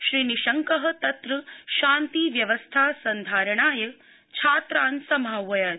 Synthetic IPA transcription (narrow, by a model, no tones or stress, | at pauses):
ʃɾiːniʃɐŋkɐɦɐ̆t̪ɐt̪ɾɐʃaːnt̪iʋjɐʋɐst̪ʰaːsɐnd̪ʱaːɾɐɳaːjɐ | t͡ʃʰaːt̪ɾaːnsɐmɦaʋɐjaː